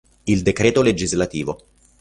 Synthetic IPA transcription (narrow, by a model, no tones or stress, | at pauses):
ild̪ekɾeːt̪oled͡ʒizlat̪iːvo